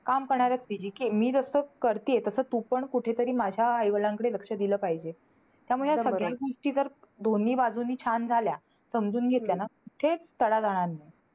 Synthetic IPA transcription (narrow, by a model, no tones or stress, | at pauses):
kamkəɾɳaɾjast̪id͡ʑiːkiːmiːd͡zəsəkəɾt̪iːet̪əsəːt̪upəɳkuʈʰet̪əɾiːmad͡ʑʱjaːjʋəlãŋkəɽeləkʂəd̪iləːpaɦid͡ʑe | t̪jamuɭesəɡɭjjaɡoʂʈiːd͡zəɾ | d̪ʱonːiːbad͡zʱunːiːt͡ɕʰand͡zʱalja | səmd͡zuːnɡʱet̪ljanakuʈʰet͡st̪əɽad͡zaɽ̃anːe